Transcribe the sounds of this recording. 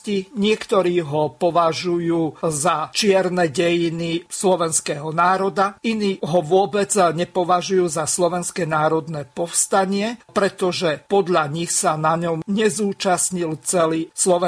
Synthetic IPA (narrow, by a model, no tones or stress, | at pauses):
ciɲɪɛkt̪ɔɾiːɦɔpɔʋaʒujuːzat͡ʃɪɛɾnɛɟɛjinislɔʋɛnskɛːɦɔnaːɾɔd̪ainiːɦɔʋʊɔbɛd͡zɲɛpɔʋaʒujuːzaslɔʋɛnskɛnaːɾɔd̪nɛːpɔfst̪aɲɪɛpɾɛt̪ɔʒɛpɔd̪ʎaɲixsanaɲɔmɲɛzuːt͡ʃasɲilt͡sɛliːslɔʋɛ